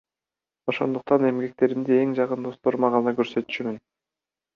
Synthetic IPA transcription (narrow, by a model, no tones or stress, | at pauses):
o̞ʃo̞̰nd̪uq̚t̪ɑne̞mɡe̞k̚t̪e̞ɾimd̪ie̞ŋd͡ʒɑqɯnd̪o̞st̪o̞ɾmɑʁɑnɑkøɾsø̞t̪y̥t͡ʃymyn